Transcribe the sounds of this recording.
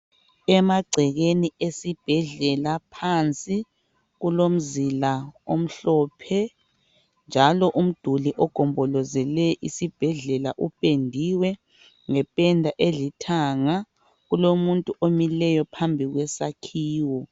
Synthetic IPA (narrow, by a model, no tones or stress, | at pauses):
ɛmaɡ͡ǀʱɛɣeniesib̥ʱɛɮɛlapʰant͡sʼi | ɣulom̩zilaom̩ɬɔːpʰɛ | nd͡ʒʱalɔʔum̩d̥ʱuliʔɔɡ̥ʱɔmbʱɔlɔzɛlɛʔisib̥ʱɛɮɛlaʔupʼendʱiwɛ | ŋɛpʼɛndʱaʔeɮitʰaŋa | ɣulomuntʼuʔomilɛjɔpʰambʱiɣwɛsakʰiːwɔ